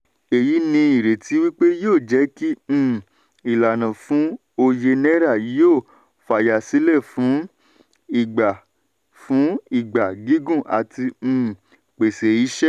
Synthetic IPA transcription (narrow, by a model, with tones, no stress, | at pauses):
e˨ji˨˦nĩ˧i˨ɾe˨ti˨˦wi˦k͡pe˦joː˦˨d͡ʒɛ˨˦kĩ˦˨ | i˨la˨nã˨fũ˨˦ | o˧je˧nɛ˦ɾa˦˨i˨˦oː˦˨ | fa˨ja˨si˨˦lɛ˦˨fũ˨˦ | i˦˨ɡ͡ba˨ | fũ˨˦i˦˨ɡ͡ba˨ɡi˨˦ɡũ˦˨ʔa̰˨tĩ˧˦˨ | k͡pe˨se˨i˨˦ʃɛ˦